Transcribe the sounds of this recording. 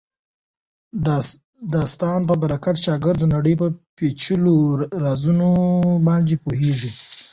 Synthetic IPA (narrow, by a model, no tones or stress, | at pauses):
d̪ɑst̪ɑnp̬əbaɾakat̪t͡ʃɑɡəɾd̪ənaɽəjpəpet͡ʃəloɾazunobɑnd̪epoɦeʐi